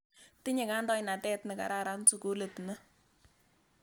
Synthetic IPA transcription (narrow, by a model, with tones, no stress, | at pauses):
tɪ˦ɲɛ˨ka˦ndɔ˦jna˨tɛ˦tnɛ˨ka̰˨ɾa˦ɾa˦nsu˨ko˦le˨tna˦